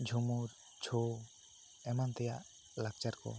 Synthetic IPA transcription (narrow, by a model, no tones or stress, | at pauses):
d͡ʒʱumuɾ | t͡ʃʰo | ɛmant̪ɛjaʔ | lak̚t͡ʃaɾkɔ̰